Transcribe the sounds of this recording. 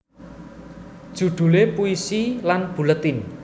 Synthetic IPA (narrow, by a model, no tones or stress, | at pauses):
d̥ʒ̥ṳɖ̪̥ṳlepuisilanb̥ṳlət̪ɪn